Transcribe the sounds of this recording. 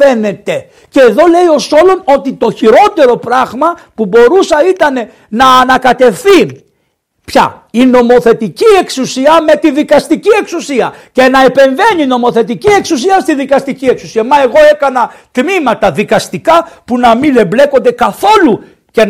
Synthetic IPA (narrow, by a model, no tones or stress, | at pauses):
fe̞ne̞t̪e̞ | ce̞ːðo̞le̞io̞so̞lo̞no̞t̪it̪o̞çiɾo̞t̪e̞ɾo̞pɾɐɣmɐpubo̞ɾusɐit̪ɐne̞ | nɐːnɐkɐt̪e̞fθi | pçɐ̰ino̞mo̞θe̞t̪icie̞ksusiɐme̞t̪iðikɐst̪icie̞ksusiɐce̞nɐe̞pe̞ɱve̞nino̞mo̞θe̞t̪icie̞ksusiɐst̪iðikɐst̪icie̞ksu̥siɐmɐe̞ɣo̞e̞kɐnɐt̪mimɐt̪ɐðikɐst̪ikɐpunɐmile̞mble̞ko̞nd̪e̞kɐθo̞lu | ce